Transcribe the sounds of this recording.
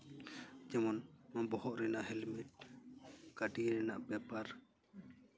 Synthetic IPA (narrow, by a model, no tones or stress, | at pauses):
d͡ʒɛmɔnbɔhɔʔɾɛnaʔɦɛlmɛʈ̚ | kaɖiɾɛnaʔbɛpaɾ